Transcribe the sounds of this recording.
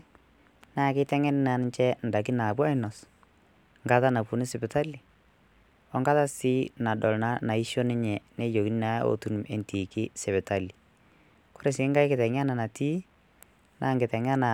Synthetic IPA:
na˦˨kɪ˦tɛ˦ŋɛ˦n˦na˨n˦ɲt͡ʃɛ˦n̩˨da˨k̬i˦na˨bwa˦ɪ˦nɔ˨s | ŋɡa˦ta˦na˨pu˨ni˦sɪ˨bɪ˨ta˦li˨ | ɔ˦ŋɡa˦ta˦si˦na˨dɔ˨lna˦na˨i˦ʃo˦nɪ˦ɲɛ˨ne˦jo˨ki˦n˦na˨˦o̰˨tu˦n˨mḛ˨nti˨kɪ˦sɛ˨βɛ˨ta˦li˨ | ko̥˦ɾe˨sɪ˨˦ŋɡa˦jkɪ˨tɛ˨ŋ˦a˦na˨na˨ti˦ | nʔa˦ŋɡɪ˨tɛ˨ŋa˦na˨

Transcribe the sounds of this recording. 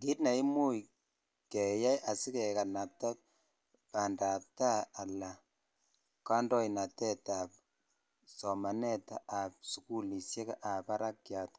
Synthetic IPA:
ɡi˦tna˨i˦mu˦j | kɛ˨ja˦jʔa˨si˦kɛ˨ka˨na˨p̚ta˦ | pa˨nda˨p̚taː˦˨la˨ | ka˦ndɔ˦i˨na˨tɛ˦ta˨p̚ | sɔ˨ma˨nɛ˦ta˨a˨p̚su˨ku˦li˨sje˦ka˦ʔa˨pa˦ɾa˦kja˨t

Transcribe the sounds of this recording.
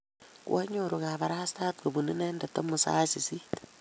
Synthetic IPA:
kwa˦ɲoɾoɣa˨βa˨ɾaha˦staː˦tɡo˨βuni˦neː˦ndeto˦musa̰ː˦si˨si˦

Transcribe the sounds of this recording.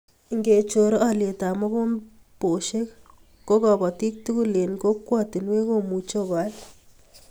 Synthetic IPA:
ŋɡe˨t͡ʃo˨ɾɔ˦a˦lje˨ta˨mɔ˦ko˦m | po˨ʃe˦k | ko˦kɔ˨bɔ˨ti˦k̚tu˦ku˦le˨nko˦kːwɔ˦ti˨nwe˦ko˦˨mu˨t͡ʃo˦˨ka˨˦l

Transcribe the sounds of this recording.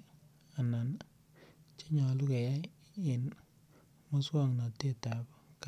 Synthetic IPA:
a˨na˨n | t͡ʃe˦ɲa˨lu˦ke˨ja˦ | ɪ˨n | mɔ˦swa˦˨ŋna˨te˦ta˨bk

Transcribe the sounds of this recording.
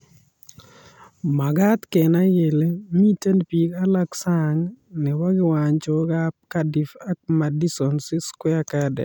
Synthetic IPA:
ma˨ɡa˦t̪ke˨na˦je˨le˦mi˦te˦npi˨ka˦la˦ksaŋnɛ˨wa˦ɡɪ˦waɲt͡ʃɔɡa˦p̚kadi˨fa˦k̚ma˨di˦sɔ˨nsɪ˦skwɛ˦a˦ka˦dɛ̰˨

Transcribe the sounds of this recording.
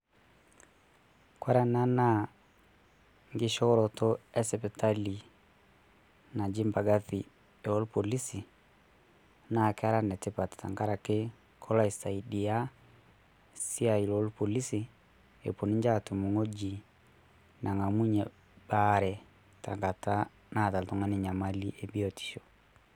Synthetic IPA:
kwa˦ɾa˦na˦na˨ | ŋɡɪ˦ʃɔ˦ɾɔ˨tɔ˦ɛ˦sɛ˨pɛ˨ta˦li˨ | na˨d͡ʒi˦mba˨ɡa˦θi˨ | e˨ɔ˦lpo˨li˦si˨ | na˨ka˦ɾa˦nɛ˨tɪ˦pa˨tta̰˨ŋɡa˦ɾa˨ke˦ | kʰɔ˦la˦i˨sa˨i˨di˨ja˦ | si˦a˨i˨lo˦lpo˨li˦si˨ | ḛ˨po˨ni˦ɲd͡ʒa˦˨tu˨mu˨ŋo˦d͡ʒi˨ | nʔa˨ŋa˨mu˦ɲɛ˨ | ba˦ɾɛ˨ | ta˨ŋɡa˨ta˦ | na˦˨ta˨ltɔ˨ŋa˦ni˨ɲa˨ma˦li˦ʔe˨bi˦o˨ti̥˨ʃo˨

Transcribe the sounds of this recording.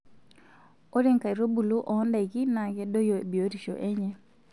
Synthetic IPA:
o˦ɾe˦ŋka˨i˨ɾo˦bu˨lu˦ʔɔ˨˦nda˨i˨ɡi˦na˨ɡɛ˦do˦jo˨e˨bi˨o˦ɾi˨ʃo̰˨ʔe˦ɲɛ˦

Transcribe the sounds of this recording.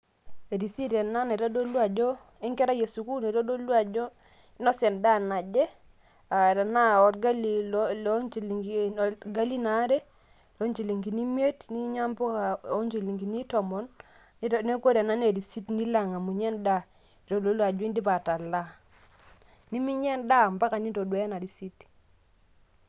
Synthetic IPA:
e˨ɾi˨si˦ɾɛ˨na˦ne˨ɾa˦do˦lwa˨d͡ʒɔ˦ | ɪ˦ŋkɛ˦ɾa˦je˨su˨ku˦ne˨ɾo˦do˦lwa˦˨d͡ʒɔ˦ | nɔ˦sɛ˨nda˦na˨d͡ʒɛ˦ | a˨ɾa˨na˦ɔ˨tɡa˦li˨lt͡ʃl | ɡa˦li˦na˨˦ɾɛ˦ | lo˦ɲt͡ʃi˨li˨ŋɡi˨ni˦m˦e˦tni˦ɲa˦mbɔ˦a˨o˦ɲt͡ʃi˨li˨ŋɡi˨ni˦tɔ˨mɔ˨n˦˨ | ne˦ko˦ɾa˨na˦ne˨ɾi˨si˦tni˦la˨ŋa˨mu˨ɲɛ˦nda˦ | e˨ɾo˨do˦lwa˨d͡ʒwi˦ndi˦pa˨ta˨la˦ | ni˦mi˦ɲɛ˦nda˦˨mba˦ka˨ni˦to˨dwɛ˨˦na˨ɾi˨si˦t

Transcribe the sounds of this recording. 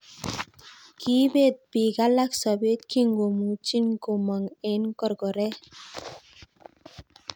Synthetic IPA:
ki˦be˦˨t̪̚bi˨ɡa˦la˦ksɔ˨be˦t̪̚kʰi˦ŋɡo˨mu˨t͡ʃi˦nko˨ma˨ŋe˨˦nkɔ˦˨ɾɡɔ˨ɾɛ˦

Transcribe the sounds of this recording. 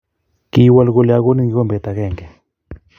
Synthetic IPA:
ki˦wa˦lɡo˧lja˨ɣo˦ni˦ŋɡe˨ɡo˦mbe˨t̪a˨ɣe˦˨ŋɡe˨

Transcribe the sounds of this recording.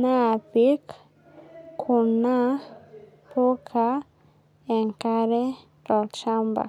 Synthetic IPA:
na˦˨pi˦k | kʰu˨na˦ | po˦kʰa˦ | ɛ˨ŋka˦ɾɛ˦ | ɾɔ˨t͡ʃa˦mba̰˨

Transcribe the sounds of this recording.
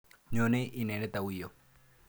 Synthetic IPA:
ɲo˨nɛ˦ʔi˨nɛ˨nɛ˦t̪a˨wi˨jɔ˨

